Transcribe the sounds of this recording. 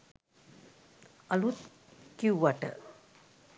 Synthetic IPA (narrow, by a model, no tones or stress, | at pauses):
alut̪ | kiwʋaʈə̰